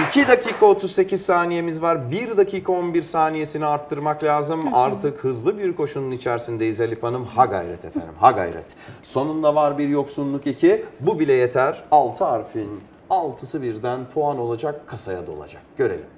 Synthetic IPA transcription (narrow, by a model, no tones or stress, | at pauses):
icʰid̪acʰiːkʰaot̪ʰuzse̞cizsaːnije̞mizvaɾbiɾd̪acʰiːkʰao̞nbiɾsaːnije̞siniaɾt̪ʰːɯɾmaklʲaːzɯmaɾt̪ʰɯkhɯzlˠɯbiɾkʰo̞ʃununit͡ʃʰæɾsind̪ɛizelʲifanɯmhaɡa̰jɾɛt̪ʰefæ̰nḭmhaɡa̰jɾɛ̰t̪so̞nund̪ˠavaɾbiɾjo̞ksunlˠukicʰibubilʲɛjet̪ʰæɾalˠt̪ʰɯaɾfin | alˠt̪ʰɯsɯbiɾd̪ænpʰoano̞lˠad͡ʒakʰːasaja̰d̪o̞̰lˠa̰d͡ʒa̰k̚ɟ̥ø̞ɾḛlʲḭm